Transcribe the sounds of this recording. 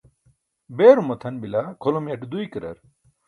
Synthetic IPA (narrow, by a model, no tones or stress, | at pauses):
beɾumɐt̪ʰɐnbilakʰolomjɐʈd̪ujkəɾɐ̰ɾ